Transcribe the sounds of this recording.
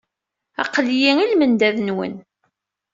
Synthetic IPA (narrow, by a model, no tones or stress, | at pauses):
æ̰qljiilmənd̪æðnwə̰n